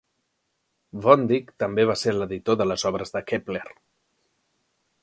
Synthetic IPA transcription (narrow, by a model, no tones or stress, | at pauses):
vɔnd̪ikt̪əmbeβ̞aseɾləðit̪oðələzɔβ̞ɾəzðəkepler